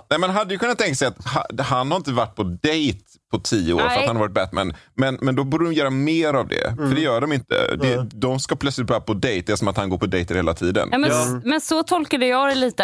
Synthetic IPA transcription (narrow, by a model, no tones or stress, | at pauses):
nɛːmɛnɦad̪ːəjʏkʰɵnːat̪ʰːɛŋkasɛjat̪hahanhaɾɪnt̪əvaʈ̚ːpʰɔd̪ɛjt̪ | pʰɔt̪ʰiːəoːɾfɾat̪hanavɑːɾɪt̪̚bɛt̪ːmɛ̰nmɛnmɛnd̪ɔbuːɖədɔmjœːɾameːɾavd̪ɛ̰fœɖɛjœːɖɔmɪnt̪ə̰d̪ɛd̪ɔmskapʰlœt̪slɪt̪̚bɑːɾapʰɔd̪ɛjt̪̚ɛːsɔmat̪hanɡoːɾpʰɔd̪ɛjt̪əɾheːlat̪ʰiːd̪ə̰nːmɛmɛnsɔt̪ʰɔlkad̪əjɑːɡd̪ɛliːt̪ə